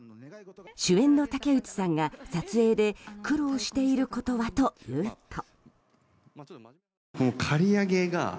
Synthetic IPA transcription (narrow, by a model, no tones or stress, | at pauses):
ɕɨẽ̞nːo̞t̪ake̞ɯ̟t͡ɕi̥sãŋɡasat͡sɨe̞ːd̪e̞kɯ̟ɾo̞ːɕi̥t̪e̞iɾɯ̟ko̞t̪o̞βat̪o̞jɯːt̪ʰo | konokʰaɾʲiaɡe̞ɡa̰